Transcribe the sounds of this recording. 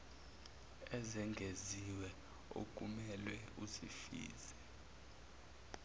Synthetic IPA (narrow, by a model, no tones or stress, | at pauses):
ɛzɛŋɡʱeziwɛ | o̰k̬ʼumɛlwɛuzifḭːzɛ